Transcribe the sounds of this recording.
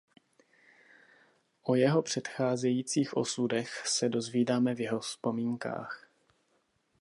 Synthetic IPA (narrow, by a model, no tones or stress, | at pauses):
ʔo̞jɛɦo̞pr̝̥ɛt̪xaːzɛjiːt͡siːxʔo̞̰sudɛxsɛdo̞zviːdaːmɛvjɛɦo̞spo̞miːŋka̰ːx